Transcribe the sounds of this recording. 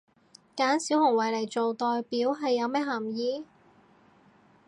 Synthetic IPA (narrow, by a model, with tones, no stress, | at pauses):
kaː˨˥nsiː˨˥whʊ˨˩ŋwɐ˨˩jlɐ˨˩jt͡so˨wt̪ɔː˨jpiː˨˥wɦɐ˨jːɐ˨˧wmɛː˥ɦɐ˨˩mjiː˨˧